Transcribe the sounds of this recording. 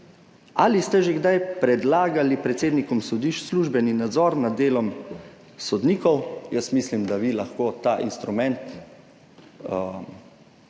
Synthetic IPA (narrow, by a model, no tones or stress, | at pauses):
alist̪ɛʒeɡd̪ajpɾɛd̪laːɡalipɾɛt̪seːd̪nikɔmsɔd̪iʃsluʒbɛninad̪zɔɾnad̪ːeːlɔm | sɔd̪niːkɔwjəsmislimd̪aʋilaxkoːt̪aʔinst̪ɾumɛ̃nt̪